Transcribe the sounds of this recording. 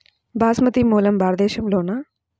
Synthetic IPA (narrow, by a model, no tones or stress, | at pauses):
baːsmɐt̪imuːlɐmbaːɾd̪eːʃɐmloːnaː